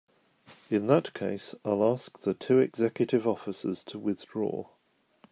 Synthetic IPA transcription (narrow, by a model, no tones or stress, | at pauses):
ɪ̃nðəʔkʰeɪsaɪlɑˑsk̚ðətʰʉːɛɡz̥ɛkjətɪvɒfɪsə̰z̥tʰəwɪðdɹɔ̰ː